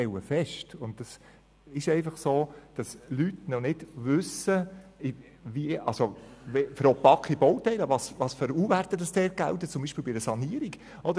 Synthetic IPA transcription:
tɛlwəfɛʃtʊnt̚d̥ɑs | ɪʃɛɪfɑχsoːd̥ɑslytnɔnɪd̥vʏsəɪ | viəʔɑ̰lsovefəɾɔpɑkχibɔwtɛɪləvɑsʋɑːsføɾuːvæɾt̪əd̥ɑsd̥ɛːɾ̚ɡ̥æ̰ltət͡sʊmbiːʃpiːlbɪdəsɑniəɾiɡ | ɔd̪ə

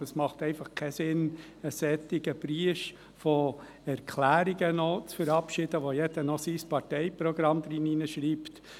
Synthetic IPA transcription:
əsmɑχt̪ɛɪfɑχkʰɛsɪn | əsɛt̪ːɪɡəb̥ɾiəf | fɔ | ɛɾkʰlæːɾiɡənɔt͡sfəɾɑpʃɪd̥̪əʋojɛdənɔsispɑɾtɛɪpɾɔɡ̥ɾɑmd̪ɾininəʃɾiːpt̪

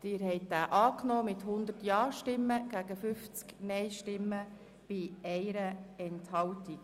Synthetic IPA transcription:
d̥ɪːɾɦɛɪt̚d̥æːʔɑːknoːmɪthʊnd̪ətjɑːʃtɪmːəɡ̥æɡəfʏft͡sknɛɪʃtɪmːə | b̥ɪɛɪɾəɛnthɑltik

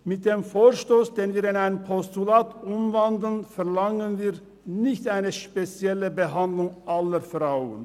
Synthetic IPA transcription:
mɪt̚d̥eːmfoːʃtoːsd̥eːnviːɾɪnaɪnəpʰɔstulaːtʔʊmvandl̩nfɛʁlaŋənviː | nɪçtʔaɪnəʃpet͡sjɛləbəɦandlʊŋʔaləɾfʁaʊə̰n

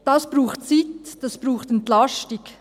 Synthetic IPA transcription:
d̥ɑsb̥ɾuːχtt͡sitd̥ɑsb̥ɾuːχtɛntlɑʃtɪk

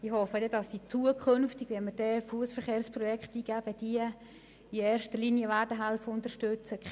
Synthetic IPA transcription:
ɪhɔfədɛdɑsːiːt͡suəkʰønftɪɡ̥ʋɛnməɾd̥ɛːfuəsfəɾχeːɾspɾɔjɛkχtiːɡ̥æb̥əd̥iə | ieːɾʃtərlinjəvæːɾdəɦɛlfəʊntərʃtøt͡sə

